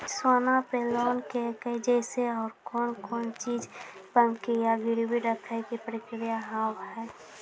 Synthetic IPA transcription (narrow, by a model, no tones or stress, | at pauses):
swaːnãpelɔːnkeked͡ʒɛːseɔːɾkɔːnkɔːnt͡ʃiːd͡ʒbəmkijaɡɪɽibiɖəkʰakipɾəkɾɪjaɦaːwɦɛː